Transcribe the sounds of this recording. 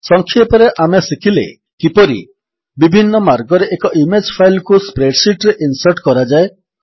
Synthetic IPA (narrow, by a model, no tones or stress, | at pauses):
sɔŋkʰːiepɔɾeʔamesikʰilḛ | kipɔɾḭ | bibʱinːɔmaɾɡɔɾeʔekɔʔimed͡ʒpʰajlkuspɾeɽsiʈɾeʔinsɔɾʈkɔɾad͡ʒae